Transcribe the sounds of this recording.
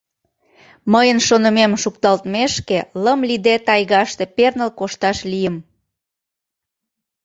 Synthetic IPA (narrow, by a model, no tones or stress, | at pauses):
məjənʃonə̆memʃukt̪ɑlt̪meʃkeləmlid̪et̪ɑjɣɑʃt̪e̽pernəlkoʃt̪ɑʃlijəm